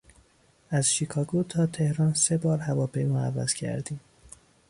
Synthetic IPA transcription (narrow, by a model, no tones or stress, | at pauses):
ʔæz̥ʃiːkʰɒːɡot̪ʰɒːt̪ʰe̞hɾɒːnse̞bɒːɾhævɒːpʰejmoævæ̰z̥cʰæ̰ɾd̪iːm